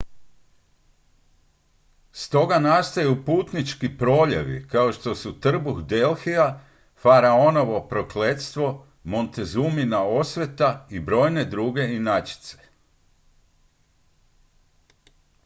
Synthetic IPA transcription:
st̪o̞ɡanast̪ajupuːt̪nit͡ʃkipɾo̞ːʎḛʋḭkao̞ʃt̪o̞sut̪r̩buxd̪e̞lxia | faɾao̞no̞ʋo̞pɾo̞klet̪st̪ʋo̞ | mo̞nt̪e̞zuminao̞sʋe̞t̪aibɾo̞ːjne̞d̪ɾuːɡe̞inat͡ʃi̥t̪se̥

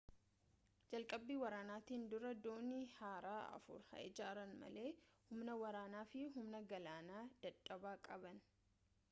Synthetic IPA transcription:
d͡ʒɐlkʼɐbːiːwɐɾaːnaːt̪iːnd̪ʊɾɐd̪oːniːhaːɾaːɐ̰fʊ̰ɾhɐ̰ʔɪd͡ʒaːɾɐnmɐ̰le̞ːhʊmnɐwɐɾaːnaːfɪɦʊmnɐɡɐlaːnaːd̪̥ɐᶑʼːɐbaːkʼɐbɐn

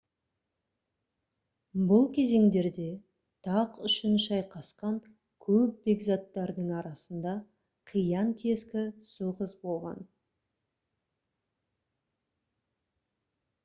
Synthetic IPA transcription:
bʊlˠkʲʰe̞ze̞ŋd̪e̞ɾd̪e̞ | t̪ʰɑqʏʃɪnʃɑjqʰɑsqɑn | kʲʰɵp̚be̞kzɑt̪ːɑɾd̪əɴɑɾɑsənd̪ɑ | qʰijɑnkʲʰe̞skʲɪsoʁəzbo̞lˠʁɑ̰n

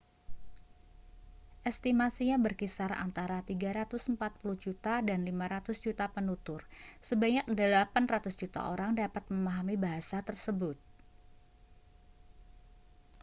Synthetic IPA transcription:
ʔɛst̪imasiɲabərkisara̰nt̪aɾat̪iɡaɾat̪ʊsəm̩pat̪̚puluhd͡ʒut̪adanlimaɾat̪ʊsd͡ʒut̪apənut̪ʊrsəbaɲak̚dəlapanrat̪ʊsd͡ʒut̪a̰ʔoɾaŋdapat̪̚məmaɦamibaɦasat̪ərsəbʊt̪̚

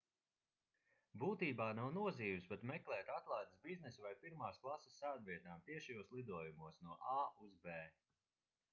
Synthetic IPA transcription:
buːt̪iːbaːnawnuɔziːmʲisbɛt̪mɛklˠɛːt̪at̪lˠaːd̪ɨsbiznɛsuvajpiɾmaːsklˠase̥sːaːd̪vʲiɛt̪aːmt̪iɛʃajuɔslˠid̪uɔjumuɔsnuɔʔaːuzbɛː

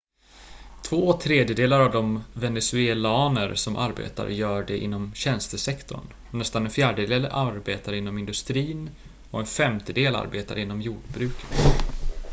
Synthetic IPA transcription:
t̪ʰvoːt̪ʰɾeːd̪jəd̪eːlaɾavd̪ɔmvɛnɛsʉɛlɑːnəɾsɔmʔa̰ɾbḛːt̪a̰ɾjœːɖɛʔɪ̰nːɔmɕɛnst̪əsɛkt̪ʰɔ̰ɳ | nɛst̪anɛnfjæːɖəd̪eːlʔaɾbeːt̪aɾɪnːɔmɪnd̪ɵst̪ɾiːn | ɔɛnfɛmt̪əd̪eːla̰ɾbeːt̪a̰ɾɪnːɔmjuːɖbɾʉ̟ːkʰə̥t̪

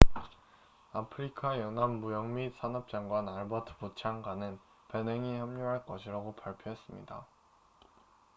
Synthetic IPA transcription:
apʰɯɾikʰaejʌnamːujʌŋmisʰanʌp̚t͡ɕ͈aŋɡwanaɭbʌtʰɯ̥but͡ɕʰaŋɡwanɯn | pe̞ne̞ŋiçjamɲoɦaɭk͈ʌɕʰiɾaɡopaɭpʰjoɦe̞s͈ɯmɲḭda̰

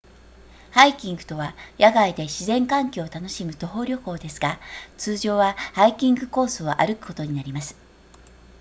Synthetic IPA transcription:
haikʲĩŋɡɯ̟̥t̪o̞βajʔaɡaid̪e̞ɕizẽ̞ŋkãŋkʲeot̪ano̞ɕimɯ̟t̪o̞ɦo̞ːɾʲoko̞ːd̪e̞sɨɡat͡sɨːʑo̞ːβahaikʲĩŋɡɯ̟ko̞ːsɨoʔaɾɯ̟kɯ̟̥ko̞t̪o̞ɲ̟inaɾʲimasɨ̥

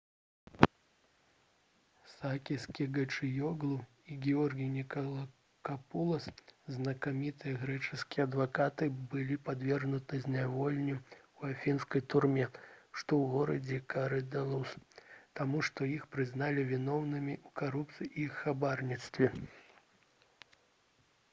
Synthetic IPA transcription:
sakʲiskʲiɡɐt͡ʂɨjɔɡlˠu | iɡʲɛɔrɣʲijnʲikˠ | kapulˠɐsznɐkamʲit̪ɨjɐɣɾɛt͡ʂɨskʲijɐɐd̪vakat̪ɨbɨlʲipad̪vʲɛrɣnut̪ɨzʲnʲavɔlʲnʲuwafʲinskɐjt̪urmʲɛʂt̪ɔwɣɔɾɐd͡zʲɛkaɾɨd̪alˠust̪amuʂt̪ɔjixpɾɨznalʲivʲinɔwnɨmʲiukaɾupt̪sɨjixxabarnʲit̪st̪vʲɛ

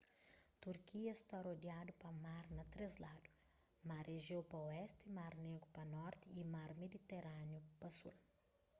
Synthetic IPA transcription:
t̪uɾkiɐst̪aɾod̪jad̪upɐmaɾnɐt̪ɾezlad̪u̥ | maɾeʒewpɐwɛst̪ɪmaɾneɡɾupɐnɔɾt̪imaɾmed̪it̪eɾanjupɐsṵl

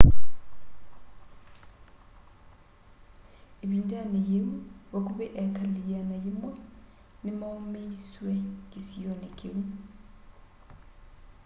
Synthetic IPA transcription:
eβindanejewakuβɛʔɛkʰalijanajimwɛ | nɪmaomeiswɛkesiɔnekeu

